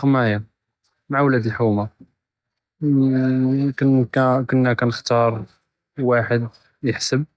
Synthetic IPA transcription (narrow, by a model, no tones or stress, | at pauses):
qmæja | maʕawlæd̪əlħuma | kənkkənːækænəxt̪ɑɾˤ | waħəd̪ | jəħsəb̚